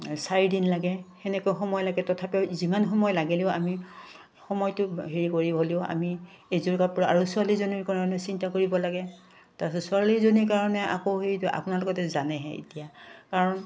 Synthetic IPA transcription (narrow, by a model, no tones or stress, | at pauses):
saɹidinlaɡɛxɛnɛkojxɔmɔjlaɡɛtɔtʰapɛzimanxɔmɔjlaɡɛlɛʊami | xɔmɔjtʊɦeɹikoɹibɦoleʊa̰mi | ezuɹkapuɹaaɹusualizoniɹkaɹɔnɛsintakoɹibɔlaɡɛ | tasɔsualiɹzoniɹkaɹɔnɛa̰koɦetʊʔa̰punalɔɡɔtɛzanɛɦɛ̰ḭtijakaɹɔn